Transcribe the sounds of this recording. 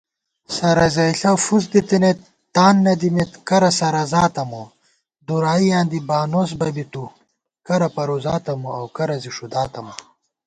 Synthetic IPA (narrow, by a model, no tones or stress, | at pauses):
sɐɾɐzɐjɬɐwfuz̬d̪it̪inet̪ːaːnːɐd̪imet̪kɐɾɐsɐɾɐzaːt̪ɐmo | d̪uɾaːijãːnd̪ibaːnoːs̬bɐbit̪u | kɐɾɐpɐɾozaːt̪ɐmoɐwkɐɾɐziʂud̪aːt̪ɐmɐ